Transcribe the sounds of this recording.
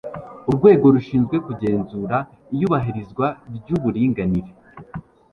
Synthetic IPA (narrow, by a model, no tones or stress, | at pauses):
uɾɡwe̞ːɡo̞ɾuʃiːnzɡwe̞kuɟe̞ːnzuːɾa | ijuβaɦiɾizɡwaɟuβuɾiːŋɡaniɾe